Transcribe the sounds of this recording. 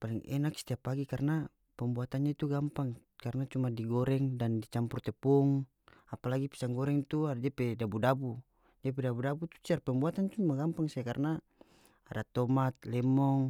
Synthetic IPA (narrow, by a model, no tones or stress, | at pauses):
palɛŋɛ̰naksi̥t̪iapaɡikarna | pɛmbuat̪anɲait̪uɡampaŋ | karnat͡ʃumadiɡɔɾɛŋdandit͡ʃampurt̪ɛpuŋ | apalaɡipi̥saŋɡɔɾɛŋt̪uadd͡ʒapɛdabudabu | d͡ʒap̬ɛdabudabut̪u̥t͡ʃiarpɛmbuat̪ant͡ʃumaɡampaŋsaakarnaː | dat̪ɔmat̪̚lɛmɔŋ